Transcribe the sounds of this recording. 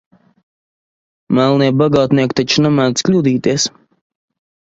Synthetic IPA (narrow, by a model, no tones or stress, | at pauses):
mælˠniɛbaɡɑːt̪niɛkʲt̪at͡ʃunamæːsklʲuːd̪iːt̪iɛs